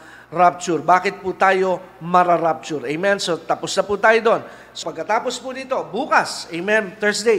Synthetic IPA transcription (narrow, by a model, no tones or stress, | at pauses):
ɾap̚t͡ʃʊɾbaːkɪt̪̚put̪aːjo̞ | mɐɾaɾap̚t͡ʃʊɾʔɛjmɛnsot̪ɐpʊsnɐpuːt̪aːjod̪o̞n | sopɐɡ̚kɐt̪aːpospunɪt̪o̞buːkɐsɛjmɛnt̪ɛɹsd̪e